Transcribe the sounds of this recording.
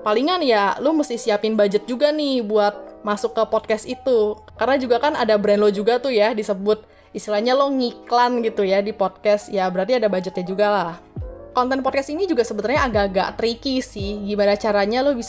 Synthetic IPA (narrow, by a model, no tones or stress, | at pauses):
paliŋanjalʊməst̪ɪhsiapɪnbad͡ʒət̪̚d͡ʒuɡanɪhbuat̪̚masʊkːəpɔd̚kɛsit̪u | karənad͡ʒuɡakanadabɾɛnlod͡ʒuɡat̪ʊhjadisəbʊt̪̚ | ist̪ilahɲalohŋiklanɡit̪ujadipɔd̚kɛsjabəɾart̪iadabad͡ʒət̪̚ɲad͡ʒuɡalahkɔnt̪ɛnpɔd̚kɛsinid͡ʒuɡasəbət̪əlɲaːɡaɡa̰ʔt̪əɾikisɪhɡimanat͡ʃaɾaɲalʊhbis